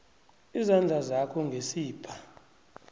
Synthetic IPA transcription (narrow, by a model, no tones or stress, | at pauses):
izand͡ɮʱazakʰɔŋɡʱesiːb̥ʰʱa